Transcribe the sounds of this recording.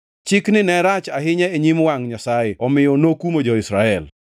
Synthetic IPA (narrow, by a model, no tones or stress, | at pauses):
t͡ʃɪknɪnɛɾat͡ʃaɦɪɲɛeɲimwaŋɲasajɪɔmɪjɔnokumod͡ʒɔɪsɾaɛl